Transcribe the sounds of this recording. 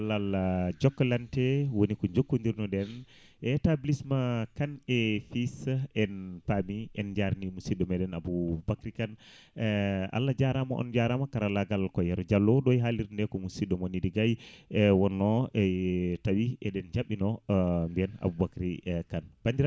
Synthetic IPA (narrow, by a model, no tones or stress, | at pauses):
lalad͡ʒɔkːɔlantɛwonikɔd͡ʒokːundiɾnɔɗɛn | ɛtablismakanɛfisɛnpamiɛnd͡ʒaɾnimusiɗɔmɛɗɛnabubakɾikan | a̰lːad͡ʒaɾama̰ʔɔ̰nd͡ʒaɾamakaɾalaɡalkɔjaɾɔd͡ʒalːɔɗɔjɦaliɾndɛkɔmusiɗɔmonidiɡajɛwɔnːɔɛtawiɛɗɛnd͡ʒaɓinɔmbiɛna̰bubakɾikanb̥andiɾa